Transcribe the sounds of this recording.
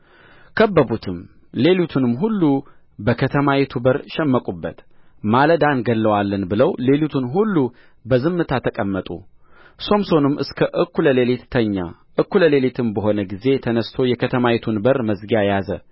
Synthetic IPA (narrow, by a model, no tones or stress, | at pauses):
kʰəbːəbut̪ʰɨm | le̞lut̪ʰɨnɨmːɦulːu | bəkʰət̪ʰəmajet̪ʰubəɾʃɛmːəkʼubːət̪ | maləd̪anɡəlːəwalːənbɨləwle̞lut̪ʰɨnɦulːu | bəzɨmːɨt̪ʰat̪ʰəkʼəmːət̪ʼṵ | so̞mso̞nɨmːʔɨskʰəʔɨkːuləle̞let̪ːʰəɲːa̰ | ʔɨkːuləle̞let̪ʰɨmbəɦo̞nəɡize̞t̪ʰənəst̪ʰo̞jɛkʰət̪ʰəmaet̪ʰunbəɾməzɡajazə